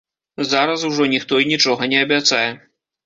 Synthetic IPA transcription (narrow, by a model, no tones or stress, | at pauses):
zaɾɐsuʐɔnʲixt̪ɔinʲit͡ʂɔɣɐnʲɛɐbʲat̪sajɛ